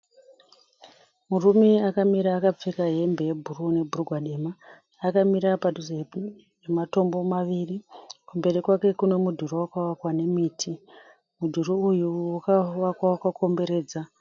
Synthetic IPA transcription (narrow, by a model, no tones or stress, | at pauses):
murumeakamiɾaːkap͡fekaɦe̞mbe̞jebʱurune̞bʱuruɡʱwaɗe̞maː | kamiɾapadʱuz | ʐemato̞mbo̞maʋirikumbe̞rikwake̞kune̞mudʱurowakawakwane̞miːtʰi | mudʱuruujuwakaʋakwawkakʰo̞mbe̞ɾe̞ːd͡za